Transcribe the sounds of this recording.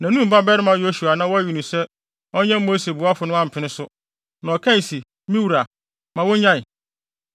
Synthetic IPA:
nã˨nũ˦m̩˨ba˦bɛ˦ɾɪ˦mã˨jo˦su˨a˨nã˦wɔ˦æ˦ɥi˨nʊ̃˨sɛ˦ | ɔ˦ɲɛ̃˦mo˦se˨bʊ˨˦a˦fʊ˨nʊ̃˦ã˦m̩˨pʰɪ˨nɪ̃˦sʊ˦ | nã˨ɔ˨kʰã˦i˨si˨ | mĩ˦wu˨ɾa˨ | mã˨wʊ̃˦ɲã˦ɪ˨

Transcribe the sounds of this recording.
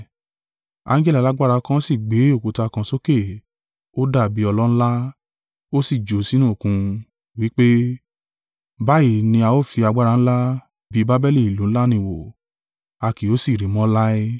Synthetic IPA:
a̰˧˦d͡ʒɛ˦li˦˨la˨˦ɡ͡ba˦ɾa˧kã˦si˦˨ɡ͡be˨˦o˦˨ko˨˧ta˧kã˧so˦ke˦˨ | o˦da˦˨bi˨˦ɔ˧lɔ˦ñ̩˦la˦ | o˦si˦˨d͡ʒo˨˦si˦nũ˦˨kũ˧ | wi˨˦k͡pe˦ | ba˦i˦˨nĩ˧a˧o˦˨fi˧a˧ɡ͡ba˦ɾa˧ñ̩˦la˦ | bi˨˦ba˦bɛ˦li˦˨i˨lu˨˦ñ̩˦la˦nĩ˧˨wo˨ | a˧ki˨o˨˦si˦˨ɾi˨˦mɔ̃˦la˦i˦

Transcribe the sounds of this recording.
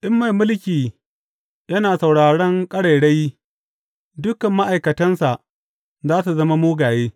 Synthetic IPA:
ʔɪ˦mːa˨jmʊ˦lkʲiː˨ | jɐ˦naː˨sa˨wɽaː˨ɽɐ˦ŋkʼɐ˦ɽɐ˨jɽe˦j | dʊ˦kɐ˨mːa˦ʔa˨jkɐ˨tɐ˦nsa˨ʔ | zaː˦su˨zɐ˦ma˦moː˦ɡaː˨jeː˦

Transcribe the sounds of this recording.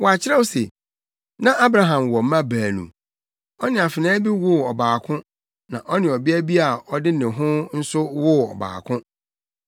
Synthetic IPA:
wɔ˨a˨t͡ɕʰɪ˦ɾɛ˦wsḛ˨ | nã˦ʔa˦bɾa˦ɦã˨mwɔ˨m˦ã˦bæː˨nṵ̃˨ | ɔ˦nɪ̃˨a˨fɪ˨nãː˦bi˦wʊ˦ɔ˨baː˨kʰʊ̃˦ | nã̰˨ʔɔ˦nɪ̃˨ɔ˨bɪ˦æ˦bi˦a˨ɔ˦dɪ˦˨ɪ̃˨ɦʊ̃˦n̩˦sʊ˦wʊ˦ɔ̰˨ba̰ː˨kʰʊ̃˦

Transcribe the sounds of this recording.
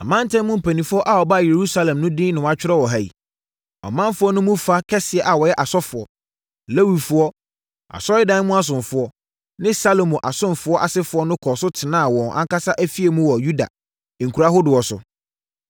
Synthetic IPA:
a˨mã˦n˦tʰɛ̃˦mʊ̃˦m̩˨pʰæ˨nĩ˨fʊ˦ɔ˦ʔa˨wɔ˨ba˦˨je˨ɾu˦sa˦lɛ̃˨mnʊ̃˦dɪ̃˦nɪ̃˨wã˦t͡ɕᶣɪ˦ɾɛ˦wɔ˨ɦa˨ḭ˨ | ɔ̰˨mã˦n˦fʊ˦ɔ˦nʊ̃˦mũ˦fa˦kʰɛ˦sɪ˨ɛ˨ʔa˨wɔ˨jɛ˦ʔa˨sɔ˦fʊ˨ɔ˨ | le˦wi˨fʊ˨˦ɔ˦ | a̰˨sɔ˦ɪ˦dã˦n˦mũ˦a˦s̬ʊ̃˨ɱfʊ˦ɔ˦ | nɪ̃˦sa˦lo˨mũ˨ʔa˨sʊ̃˦nfʊ˦ɔ˦ʔa˨sɪ˦fʊ˨˦ɔ˦nʊ̃˦kʰɔ˨sʊ˦tʰɪ˨nã˦a˨wɔ̃˨nʔã̰˦ŋ˦ka˦sa˦ʔæ˦fi˦e˨mũ˦wɔ˨ju˦da̰˨ | ŋ̩˨kʰu˨ɾa˨˦ɦo˦dʊ˨wɔ˨sʊ̰˨

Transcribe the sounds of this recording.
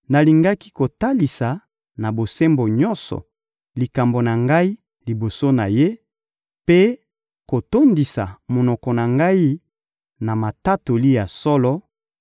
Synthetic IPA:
na˨li˨ŋɡa˦ki˦ko˨ta˦li˨sa˨ | na˨bo˨se˦mbo˨ɲɔ˦nsɔ̰˨ | li˨ka˨mbo˨na˨ŋɡa˦i˦ | li˨bo˨so˦na˨je˦ | pe˦ | ko˨to˦ndi˨sa̰˨mo˨nɔ˨kɔ˨na˨ŋɡa˦i˦ | na˨ma˨ta˦to˨li˦ja˨sɔ˦lɔ˦

